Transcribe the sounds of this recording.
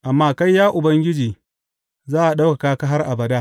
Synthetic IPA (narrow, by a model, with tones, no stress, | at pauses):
ʔa˨mːaː˦ka˦jːaː˦ʔʊ˨bɐ˦ŋɡʲɪ˦d͡ʒiː˨ | zaː˦ʔa˨ɗa˦wka˨kaː˦ka˦ɦa˦rʔa˨bɐ˨daː˦